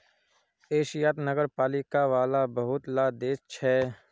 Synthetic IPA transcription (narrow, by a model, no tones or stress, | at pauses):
eːʃijaːt̪nəɡəɾpaːlɪkaʋaːlabɐɦʊt̪laːd̪eːst͡ʃʰɛː